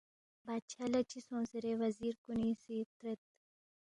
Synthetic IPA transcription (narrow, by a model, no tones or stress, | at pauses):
baːt̪ʃʰaːlɐt͡ɕisõːsɐɾeʋɐziːɾkunisit̪ɾet̪